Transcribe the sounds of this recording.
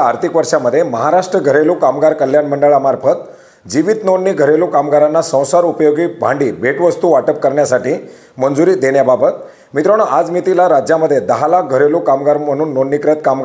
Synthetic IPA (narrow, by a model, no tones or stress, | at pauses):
aɾt̪ʰikʋəɾʂaməd̪ʱːjeməɦaɾaʂʈɾəɡʱəɾelukamɡaɾkəl̤janməɳɖəɭamaɾpʰət̪ | d͡ʑiʋiːt̪nonːiːɡʱəɾelukamɡaɾanːasə̃w̃saɾupəjoɡiːbʱaɳɖiːbʱeʈʋəst̪uːʋaʈəp̚kəɾɳjasaʈiː | mənd͡zuɾiːd̪eɳjababət̪ | mit̪ɾəɽ̃əʔad͡zmit̪ilaɾad͡ʑjaməd̪ʱːjed̪əɦalak̚ɡʱəɾelukamɡaɾməɽ̃uːnːonːikɾət̪kamɡ